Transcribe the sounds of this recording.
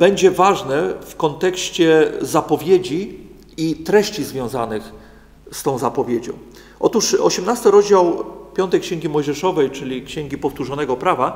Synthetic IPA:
bɛɲd͡ʑɛvaʐnɛfkɔnt̪ɛkɕt͡ɕɛzapɔvʲjed͡ʑi | it̪ɾɛɕt͡ɕizvʲjɔ̃w̃zanɘx | st̪ɔ̃w̃zapɔvʲjed͡ʑɔ̰̃w̃ | ʔɔt̪uʂɔ̰ɕɛmnast̪ɘɾɔʑd͡ʑawpʲjɔnt̪ɛjkɕeŋɡʲimɔjʐɛʂɔvɛjt͡ʂɘlʲikɕɛŋɡʲipɔft̪uʐɔnɛɡɔpɾava

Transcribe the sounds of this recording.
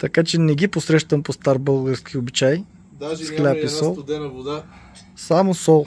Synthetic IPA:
t̪ɐkat͡ʃɛnɛɡʲiposɾɛʃt̪əmpost̪aɾbɤlˠɡəɾsk̟ʲʰiobit͡ʃaj̪ | sklʲapisɔlˠd̪ | samosɔlˠ

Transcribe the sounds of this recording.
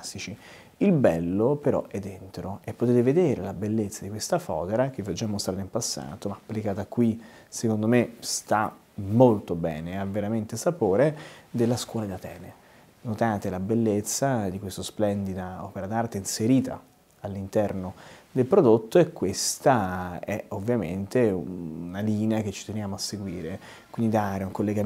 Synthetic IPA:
asit͡ʃi | ilbɛlːopeɾɔ̰ʔɛd̪ːent̪ɾoepːot̪eːt̪eved̪eːɾelabelːet̪sːad̪ikwest̪afɔ̰ːd̪eɾak̟evːiɔd͡ʒːamːost̪ɾaːt̪aimpasːa̰ːt̪omaːpːlikaːt̪akːwi | sekond̪omest̪a | mːolt̪obɛ̰ːneavːeɾament̪esapoːɾed̪elːaskwɔːlad̪at̪ɛ̰ːne | not̪aːt̪elabelːet̪sːad̪ikwest̪osplɛnd̪id̪aɔ̰ːpeɾad̪art̪einseɾiːt̪a̰ | alːint̪ɛrnod̪elpɾod̪ot̪ːoekːwest̪aɛovːjament̪eunaliːneak̟et͡ʃːi̥t̪enjaːmoasːeɡwiːɾe | kwind̪id̪aːɾeuŋkolːeɡa

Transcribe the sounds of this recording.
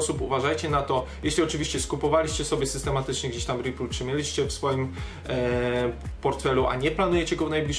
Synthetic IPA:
supuvaʐajt͡ɕɛnat̪ɔjɛɕlʲiɔt͡ʂɘvʲiɕt͡ɕɛskupɔvalʲiɕt͡ɕɛsɔbʲjɛsɘst̪ɛmat̪ɘt͡ʂɲɛɡd͡ʑeɕt̪amɾipult͡ʂɘmʲjɛlʲiɕt͡ɕɛfsfɔjim | pɔɾt̪fɛluʔa̰ɲɛplanujɛt͡ɕɛɡɔvnajblʲiʂ

